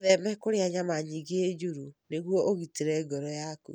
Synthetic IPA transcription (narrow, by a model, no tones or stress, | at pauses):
ðɛmɛkoɾeaɲamaɲiɣeed͡ʒoɾuneɣwɔʔoɣiteɾɛɡɔɾɔjakṵ